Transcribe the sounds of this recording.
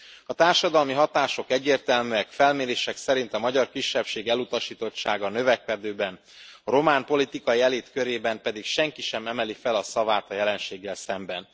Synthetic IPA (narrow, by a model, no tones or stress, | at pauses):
ɒt̪aːrʃɒd̪ɒlmiɦɒt̪aːʃo̞kɛɟːeːrt̪ɛlmyɛkfɛlmeːɾeːʃɛksɛɾin̪t̪ɒmɒɟɒrkiʃːɛpʃeːɡɛlut̪ɒʃiːt̪o̞t͡ʃːa̰ːɡɒnø̞vɛkɛd̪øːbɛn | ɒɾo̞maːmpo̞lit̪ikɒiɛleːt̪køɾeːbɛmpɛd̪ikʃɛŋkiʃɛmɛmɛlifɛlɒsɒvaːt̪ɒjɛlɛnʃeːɡːɛlsɛmbɛn